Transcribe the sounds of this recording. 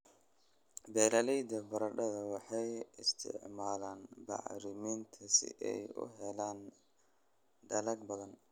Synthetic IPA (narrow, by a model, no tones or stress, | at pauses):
bɛːlɐlɛjd̪ɐbɐɾɐɖɐðɐwɑħɑjɪst̪ʰɪ̰ʕmaːlaːnbɑ̰ʕɾɪmint̪ʰɐsɪ̰ʔɛ̰jʊ̰ɦɛlaːn | ɖɐlɐɡbɐðɐn